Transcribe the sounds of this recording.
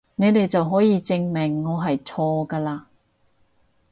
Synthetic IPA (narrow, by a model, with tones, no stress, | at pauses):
ne˨˧jt̪e˨jt͡sɐ˨wɦɔː˨˥jiː˨˧t͡sɪ˧ŋmɪ˨˩ŋːɔː˨˧ɦɐ˨jt͡sʰɔː˧kaː˧laː˧